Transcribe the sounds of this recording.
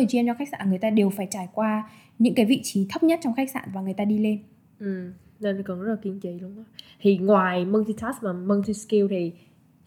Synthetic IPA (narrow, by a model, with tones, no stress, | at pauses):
ə˨˩t͡ɕi˧t͡ɕɔ˧xa˦˥k̚sa̰ː˧˩ɨ˨˩jt̪aː˧ɗe˨˩wfaː˧˩jt͡ɕaː˧˩jkwaː˧ | ɲɨ̰˧˥ŋkaː˨˦jvḭ˧˨t͡ɕi˨˦t̪ʰə˦˥p̚ɲə˦˥t̚t͡ɕɔ˧wŋ͡mxa˦˥k̚sa̰ː˧˨nvaː˨˩ŋɨ˨˩jt̪aː˧ɗi˧le˧n | ʔɨ˨˩m | ne˧˩n˨˩kɔ˨˩nzə˦˥la˨ki˨˦əŋt͡ɕi˨˦jlu˨˧əŋʔa˨˦t̪ʰi˨˩ŋwaː˨˩jmə˧nt̪ʰi˧t̪ʰaː˦˥smaː˨˩mə˧nt̪ʰi˧ski˧wt̪ʰi˨˩